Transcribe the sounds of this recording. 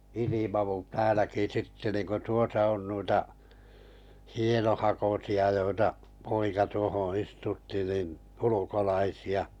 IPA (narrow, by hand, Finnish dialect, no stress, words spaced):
ilimɑʋu tæːlæki sitːe nin̆ku tuosɑ̆ on on nuitɑ hienohɑkosiɑ joitɑ poikɑ tuohõː istutːi nin ulukolɑisiɑ